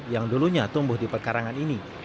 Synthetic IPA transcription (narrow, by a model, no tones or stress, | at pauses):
jaŋduluɲat̪umbʊhdipərkaɾaŋanini